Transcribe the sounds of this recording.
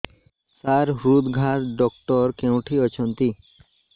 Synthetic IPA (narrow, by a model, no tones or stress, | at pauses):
saɾɦɾud̪ɡʱaʈɖɔkʈɔɾkewʈʰiɔt͡ɕʰont̪i